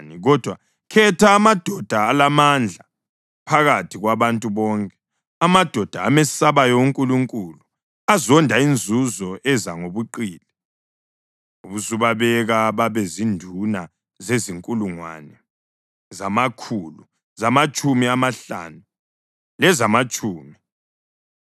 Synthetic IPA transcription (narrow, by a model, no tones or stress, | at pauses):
niɣɔd̥ʱwa | kʰɛtʰaːmad̥ʱɔd̥ʱaːlamand͡ɮʱa | pʰaɣatʰiɣwaβantʼuβɔŋkʼɛ̥ | amad̥ʱɔd̥ʱa̰ːmesaβajɔuŋkʼuluŋkʼulu | azɔndʱaind͡zʱuzɔʔɛzaŋoβuǃiːli | uβuzuβaβɛɣaβaβɛzindʱuna | zeziŋkʼuluŋwa̰nɛ | zamakʰulu | zamat͡ʃʼumiamaɬa̰ːnu | lɛzamat͡ʃʼuːmi